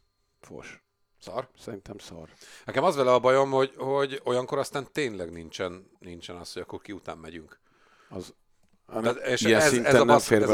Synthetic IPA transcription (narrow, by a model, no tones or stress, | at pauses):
fo̰ʃ | sɒrsɛɾint̪ɛmsɒ̰rnɛkɛmɒzʋɛlɛɒbɒjo̞mho̞ɟho̞ɟo̞jɒŋko̞ɾɒst̪aːnt̪eːnlɛɡnint͡ʃɛn | nint͡ʃɛnɒshoɟɒkːorkiut̪aːmːɛɟyŋk | ɒzː | t̪eːʃiɛnsɛzinɛɛnːɛmfeːrvɛ